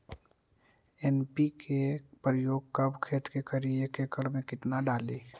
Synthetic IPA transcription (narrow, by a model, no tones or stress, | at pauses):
eːnpikʰepɾəjoːɡ̚kəbkʰeːt̪kekəɾiekeːkəɽmẽkɪt̪naɖaːleː